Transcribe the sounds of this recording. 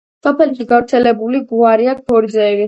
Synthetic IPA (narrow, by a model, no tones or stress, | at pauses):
sɔpʰɛliʃiɡavɾt̪sʰɛlɛbuliɡuaɾiak̚bɔɾizɛːɾi